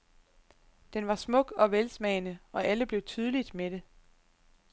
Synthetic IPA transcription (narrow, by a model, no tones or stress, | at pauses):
d̥enʋɑ̈smɔ̽ɡ̥ɒ̽ʋelsmɛɪnəɒ̽ʔæləb̥le̝ʊt͡sʰyð̞ˠlid̥meɾ̥e̝